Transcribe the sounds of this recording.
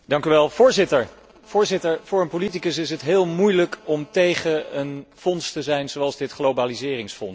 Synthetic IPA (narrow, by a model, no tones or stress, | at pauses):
dɑŋkyʋɛlˠv̥ʊːɹzɪtəɹ | v̥ʊːɹzɪtəɹv̥ʊːɹənpolitikəsɪsətɦɪːlˠmujləkɔmtejχəənfɔnstəzɛjnzowɑlˠzdɪtχlobaːlizɪːrɪŋsfɔn